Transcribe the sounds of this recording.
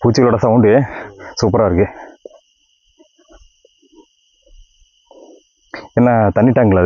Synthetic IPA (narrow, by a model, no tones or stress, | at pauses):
puːt͡ʃːɪɣɐɭoːɽɐsãːuːɳɖɯesuːp̬ɐɾaːɪɾɯkːɯ | ɛnːat̪ɐnːɪʈːaːŋɡɐɭaːð